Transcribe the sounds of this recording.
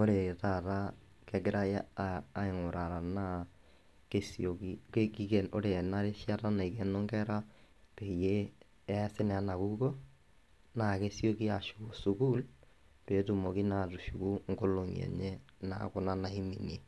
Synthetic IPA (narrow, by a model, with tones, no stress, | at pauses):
o˦ɾe˨ta˦˨ɾa˦ | kɛ˦ɡɪ˦ɾa˦ja˦aː˨˦ɪ˨ŋʊ˨ɾa˨ɾa˨na˦ | ke˦sjo˨ki˦ke˦ki˦kɛ˨o˦ɾe˨na˦ɾe˦ʃja˦ta˦na˨i˨ke˦nɔ˦ŋɡɛ˦ɾa˦ | pe˨je˦ | ɛ˦sɪ˦nɛ˨a˦na˨ku˦ko˦ | na˨ke˦sjo˦ki˦a˨ʃu˨ko˨su˨ku˦l | pe˨˦tu˨mo˨ki˦na˨tu˨ʃu˨ku˦ŋ̩˦ko˦lo˨ŋḭ˨ɛ̰˨ɲe˦ | na̰˦kʊ˨na˦na˦i˦mi˨ne˨